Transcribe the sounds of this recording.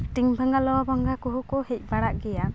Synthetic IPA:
ʈiŋbʱaŋɡalɔwabaŋɡakɔɦukɔhɛc̚ˀbaɽaʔɡɛja

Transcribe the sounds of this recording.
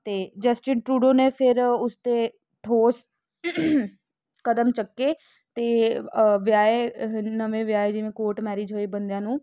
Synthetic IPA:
t̪eːd͡ʒəsʈɪnʈɾuːɖoːneːpʰɪɾʊst̪eː | ʈʰoːs | kəd̪əmt͡ʃəkːeː | t̪eːʋɪjaːenəʋẽːʋɪjaːed͡ʒɪʋẽːkoːɾʈmɛːɾiːd͡ʒɦoːeːbənd̪jãːnũː

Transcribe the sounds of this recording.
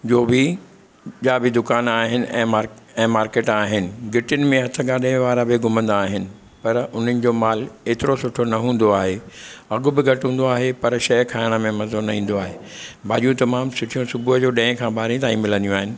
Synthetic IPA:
d͡ʑoːbɪ | ʄaːbɪd̪ʊkaːnaːɦɪnɪ̆ʔɛ̃ːmaɾ | ɛ̃ːmaːɾkeːʈaːɦɪnɪ̆ɡɪʈɪnɪ̆mẽɦɐt̪ʰə̆ɡaːɗẽʋaːɾabɪɡʱʊmə̃nd̪aːɦɪnɪ̆ | pɐɾʊn̤ənɪ̆d͡ʑoːmaːleːt̪ɪɾosʊʈʰonɐɦũːn̆d̪oaːɦeɐɠʊbɪɡʱɐʈɦũːn̆d̪oaːɦepɐɾʃɐjkʰaːɪɽ̃ə̆mẽmɐzonɐɦĩːn̆d̪oaːɦeːbʱaːʄijũt̪ɐmaːmsʊʈʰijũsʊbʱʊɦd͡ʑoːɗɛ̃ːkʰãːbʱaːɾĩt̪aːĩmɪlə̃nd̪ijũaːɦɪnɪ̆

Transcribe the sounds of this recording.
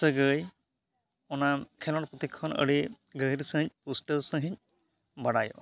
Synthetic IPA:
səɡəj | ɔnakʰɛlɔnpɔt̪ikʰɔnə̰ɽi | ɡəɦjɾsə̃ɦĩɲ̚pusʈəɾsə̃ɦiɲ̚ | baɽajɔ̰

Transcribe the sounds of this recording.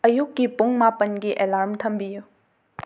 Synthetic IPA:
ɐjukːipuŋmapənɡiʔelaɾmtʰɐmbiju

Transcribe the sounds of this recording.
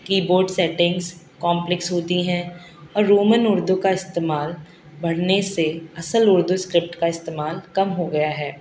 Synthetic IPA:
kiːboːɾɖsɛːʈɪ̃ŋɡz | kɔ̃ːmplɪksɦoːt̪iɦɛ̃ | ɔːɾːoːmənʊɾd̪ukaɪst̪eːmaːl | bɐɽ̤neseɐsəlʊɾd̪uskɾɪp̚ʈkaɪst̪eːmaːlkɐmɦoɡɐjaɦɛː

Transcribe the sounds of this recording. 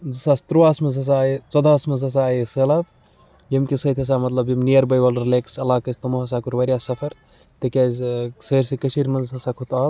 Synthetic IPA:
zisaːst̪ɾoaːsmɐzɐs̬aːit͡sɐd̪ʱaːsmɐnzɐs̬aːjisɐlab | jimkisɐt̪ʰʲɐs̬aːmɐt̪lɐbjimniɐɾbɐjʋɐlɾileːksɐlaːkɐst̪ɐmoɦɐs̬aːkuɾʋɐɾʲijaːsɐpʰɐɾ | t̪ɐkʲaːzʲsɐɾʲsikɐt͡ʃʰiɾʲmɐnzɦɐsaːkʰot̪aːb

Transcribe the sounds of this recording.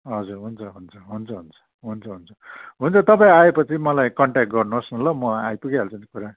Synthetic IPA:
ɦʌd͡zurɦunt͡sʰʌɦunt͡sʰʌɦunt͡sʰʌɦunt͡sʰʌ̥ | ɦunt͡sʰʌɦunt͡sʰʌ̥ɦunt͡sʰʌt̪ʌpaĩaepʌt͡sʰimʌlajkʌɳʈakʈ̚ɡʌrnuʌsnʌlʌmʌajpuɡiɦalt͡sʌnikuɾa

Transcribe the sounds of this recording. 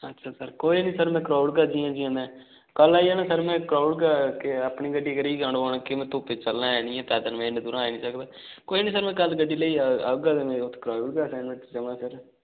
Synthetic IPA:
ətːʃʰaːsəɾkoːiːnĩːsəɾmɛ̃ːkɾaːuɽɡəd͡ʒiãːd͡ʒiãːd̪ɛ̃ː | kəlaːiaːnãsəɾmɛ̃ːkɾaːʊɽɡakeəpɳiːɡəɖiːkəɾiːɡəɳoːɳãːkɪmɛ̃ːt̪oːpeːt͡ʃəlnaːɛːnĩːɛ̃ːt̪ɛːd̪ənmɛ̃ːɪɳd̪uːɾãːeːnĩːsəkd̪aː | koːiːnĩːsəɾmɛ̃ːkəlɡəɖːiːləiːaaɡad̪emɛ̃ːot̪ʰːkɾaːuɽɡasɛːnmɛ̃ʈd͡ʒəʋãːsəɾ

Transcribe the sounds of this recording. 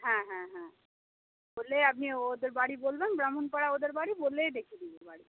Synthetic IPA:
ɦãːɦãɦã | boːlːeɐbnioːd̪əɾbaːɽiboːlbenbɾaːmunpɐɽaoːd̪əɾbaːɽiboːlːed̪eːkʰid̪idəɾbaːɽi

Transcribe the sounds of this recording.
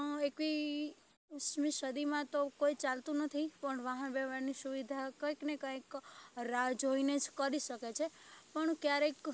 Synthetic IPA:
ekʋi | ʃmiʃəd̪imãt̪okoit͡ʃalt̪ũnət̪ʰipəɳʋaɦənbɛʋaɾnisuʋid̪ʱakəknekə̃jkɾad͡ʒɦoined͡ʒkəɾiʃəket͡ʃʰepəɳkjaɾek

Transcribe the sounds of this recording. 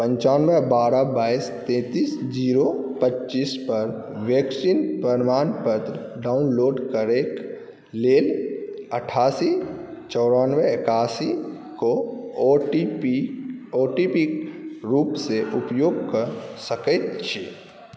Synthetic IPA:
pə̃ɲt͡ʃaːnʋebaːɾabaːist̪ẽːt̪iːsd͡ʒiːɾopətːt͡ʃiːspəɾʋjeksinpəɾmaːnpət̪ɾ | ɖaːʊnloːɖkəɾeːk | leːləʈʰaːsit͡ʃɔːɾaːnʋeɪkaːsi | ko | oːʈipikɾuːpseʔʊpjoːɡkəɾsəket̪t͡ʃʰe

